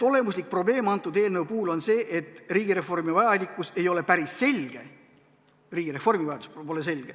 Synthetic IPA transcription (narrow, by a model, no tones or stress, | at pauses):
ole̞mus̬lik̚pro̞ble̞ːmɑnt̪ːˑud̪̥e̞ːlnewpuhːlo̞nse̞ːʔet̪ːˑriːɡiɾe̞fo̞rmivɑjɑnʲikːˑuse̞jo̞le̞pæɾisːe̞lʲɡ̥e̞ | riːɡ̥iɾe̞fo̞rmivɑjɑd̪u̥sppo̞lese̞lʲɡ̥e